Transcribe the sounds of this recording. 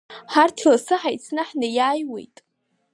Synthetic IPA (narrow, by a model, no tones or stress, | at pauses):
ħartʰlasɨħajt͡sʰnɨħnɨjaːjwḛjtʼ